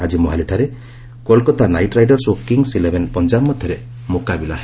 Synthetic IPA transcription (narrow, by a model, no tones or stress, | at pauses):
ad͡ʒimɔɦaliʈʰaɾe | kolkɔt̪anajʈɾajɖɔɾsokiŋsilebʱenpɔnd͡ʒabmɔd̪ʱjɔɾe | mukabilaɦ